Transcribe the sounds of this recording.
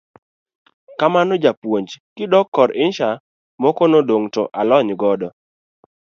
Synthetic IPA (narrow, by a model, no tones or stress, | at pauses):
kamanɔd͡ʒapwoɲd͡ʒkɪdɔkːɔɾʔɪnʃa | mɔkɔnodoŋto̰ʔalɔɲɡɔdɔ